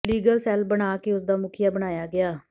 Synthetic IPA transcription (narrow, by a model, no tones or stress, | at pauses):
liːɡəlsɛːlbəɽ̃aːkeʊsd̪aːmʊkʰɪjaːbəñaːjaːɡɪaː